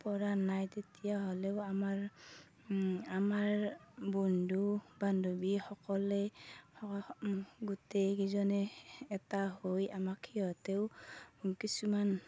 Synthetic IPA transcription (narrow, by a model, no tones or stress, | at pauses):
pɔɹanajtetijaɦɔlɛʊamaɹ | amaɹbɔndʱubandobixɔkɔlɛɔ | ɡutejkizɔnɛːtaɦojamakʰiɔteʊ | kisuman